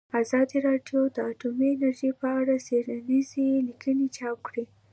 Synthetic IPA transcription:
azɑd̪iɾɑɖjod̪əaʈumiɪnaɾʒipəaɽaz̥eɽanizelikʰənet͡ʃɑp̚kɽi

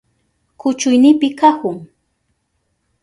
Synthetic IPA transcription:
kʊt͡ʃʊjnɪpɪkakʊŋ

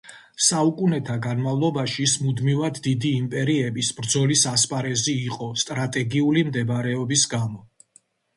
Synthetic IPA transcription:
saukʼunɛt̪ʰaɡanmavlˠɔbaʃiːsmud̪mivad̪ːid̪iːmpʼɛɾiɛbisbɾd̪zɔlisaspʼaɾɛziːqʼɔst̪ʼɾat̪ʼɛɡiulimd̪ɛbɾɛɔbisɡamɔ

